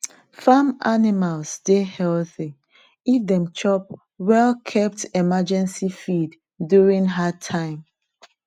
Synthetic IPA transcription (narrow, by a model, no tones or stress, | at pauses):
famanimalsdehɛlθi | ifdɛ̃mt͡ʃɔp̚ | wɛlkʰɛp̚tɛmad͡ʒɛ̃nsifid | duɹĩŋɦatʰãɪ̃m